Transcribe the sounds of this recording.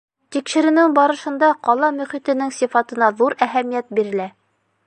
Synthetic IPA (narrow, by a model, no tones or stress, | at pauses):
t̪ikʃɘ̆ɾɘ̆nɘŋbɑɾɤ̆ʃɤ̆nd̪ɑqɒlˠɑmɵ̆χit̪ɘ̆nɘŋsifɑt̪ɤ̆nɑðuɾæɦæmijæt̪̚biɾɘ̆læ